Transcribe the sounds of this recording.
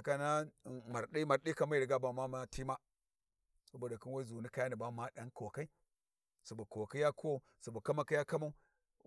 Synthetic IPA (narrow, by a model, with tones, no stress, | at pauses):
a˨ka˦na˦˨ma˨ɾɗi˦ma˨ɾɗi˦ka˦ma˦i˨ɾɡa˦ba˨ma˦ma˦ti˦ma˦ | so˦ba˨da˨ki˦nwa˦zu˨ni˦ka˦ja˦ni˨ba˦ma˦ɗa˦nko˨ka˦i˦ | su˨ba˨ko˨ka˦ja˦ku˦wo˦ | su˨ba˨ka˦ma˨ki˦ja˦ka˦ma˦u˦